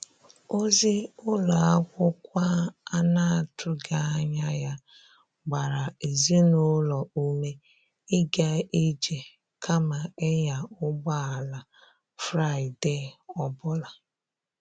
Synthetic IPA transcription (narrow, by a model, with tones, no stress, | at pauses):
o˦zi˦ʊ˦lɔ˨a˦kʷʊ˦kʷa˦a˦na˦˨tʰʊ˨ɡa˦ɲa˦ja˦ | ɡ͡ba˨ɾa˨e˨zi˦nʊ˦lɔ˨u˦me˦ | ɪ˦ɡa˦i˦d͡ʒe˨ | kʰa˦ma˨e˦ɲa˨ʊ˦ɡ͡ba˦a˨la˨ | fɾa˦˨ɪ˨de˦˨ɔ˦˨bʊ˦la˨